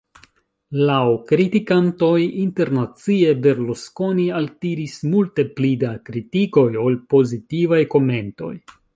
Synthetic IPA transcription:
lawkɾitikanto̞jinte̞ɾnat͡sie̞be̞ɾlosko̞nialtiɾismulte̞plidakɾitiko̞jo̞lpo̞zitivajko̞me̞nto̞̰j

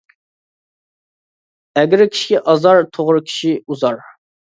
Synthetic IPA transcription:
ɛɡʲɪɾkʲʰi̥ʃi̥ɡʲɛʔɑzɑɾt̪ʰoʁɾɨkʲʰi̥ʃiuzɑɾ

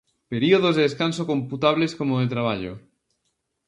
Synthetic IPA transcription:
peɾioð̞ozðeeskansokomput̪aβ̞leskomoðet̪ɾaβaʎo̰

